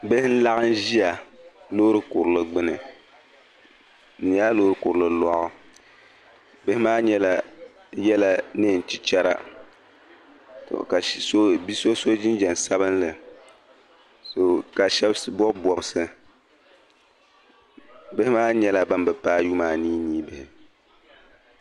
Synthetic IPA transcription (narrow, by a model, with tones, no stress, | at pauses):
bɨ˦hɪ˦n̩˦la˦ɣɨ˦n˦ʒi˦a˨lo˦ɾɨ˦kʊ˨ɾlɨ˦ɡ͡bɨ˦nɨ˨ | n̩˨jaː˦loː˦ɾɨ˦kʊ˨ɾɨ˨lɨ˦lɔ˦ʔʊ˦ | bɨ˦hɪ˦maː˦ɲɛ˦la˨ | jɛ˦la˦ne˦˨n̩˨t͡ʃi˦t͡ʃɛ˦ɾa̰˦ | to̰˨ka˨so˦bi˦so˦so˦d͡ʒɪ˦d͡ʒɛ˨nsa˦βɨ˦nlɨ˨ | so˨ka˨ʃɛ˦bsɨ˦bɔ˦bbɔ˨bɨ˦sɨ˦ | bɨ˦hɪ˦maː˦ɲɛ˦la˦ba˦nbɨ˨paː˦ju˦maː˨niː˦niː˦bɨ˨hɪ˨